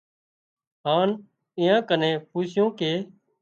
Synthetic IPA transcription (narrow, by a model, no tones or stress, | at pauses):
ɦaːn | ɪ̃ːjãːkənẽːpuːsjõːkeː